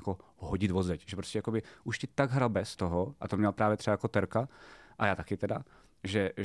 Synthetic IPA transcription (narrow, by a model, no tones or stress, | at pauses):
koɦoɟɪd̪vozɛcʒɛpɾoscʲɛjakobɪʔuʃcɪt̪aɡɦɾalbɛst̪oɦoʔat̪omɲɛlpɾaːvjɛt̪rɛbajakot̪ɛɾkaʔajaːt̪akɪt̪ɛda | ʒɛ